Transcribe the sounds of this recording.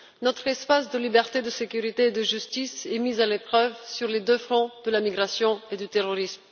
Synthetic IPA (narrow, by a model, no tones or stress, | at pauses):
nɔt̪χɛspasd̪əlibɛʁt̪ed̪əsekʲyʁit̪eːd̪əʒyst̪isɛmizalepχœvsyʁled̪øfχɔ̃d̪əlamiɡʁasjɔ̃ed̪yt̪eʁɔʁism